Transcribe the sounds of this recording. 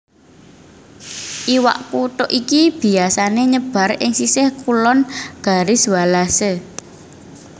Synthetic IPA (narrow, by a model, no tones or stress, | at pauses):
ʔiwa̰ʔkuʈ̪ɔʔikib̥i̤asaneɲəb̥a̤rɪŋsisɪhkulɔnɡ̥a̤ɾɪswalase